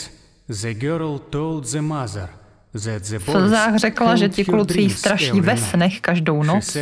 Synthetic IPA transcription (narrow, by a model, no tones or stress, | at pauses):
zɛɡøɾlt̪olzɛmazaɾ | zɛzɛfl̩zaːxrɛklaʒɛcɪklut͡sist̪ɾaʃiːvɛsnɛxkaʒdownot͡s